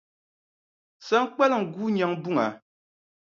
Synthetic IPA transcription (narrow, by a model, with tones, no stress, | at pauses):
sa˦ŋ̩˦k͡pɛ˦lŋ̩˨ɡuː˦ɲa˨ŋbu˦ŋa˨˦